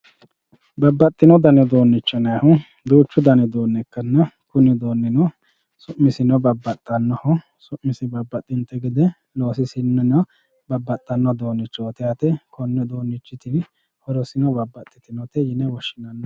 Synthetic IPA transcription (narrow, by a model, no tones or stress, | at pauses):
bɐbːɐt̪ʼːɪnɔd̪ɐnɛd̪o̞ːnːɪt͡ʃːɔnɐhʊ | d̪uːt͡ʃːʊd̪ɐnɛd̪oːnːɛkːɐnːɐkʊnɪd̪o̞ːnːɪnɔ | sʊʔmːɪsɪnɔbɐbːɐt̪ʼːɐnːɔhɔ | sʊʔmːɪsɪbɐbːɐt̪ʼːɪnt̪ːɛɡɪd̪ɛ | loːsɪsɪnːɛnɐ | bɐbːɐt̪ʼːɐnːɔd̪o̞ːnːɪt͡ʃːɔt̪ɛɐt̪ɛkʰɔnːɔd̪oːnːɪt͡ʃːɪt̪ɪn | hɔɾɔsɪnɔbɐbːɐt̪ʼːɪt̪ɪnɔt̪ɛjɪnɛwɔʃːɪnɐnːɔ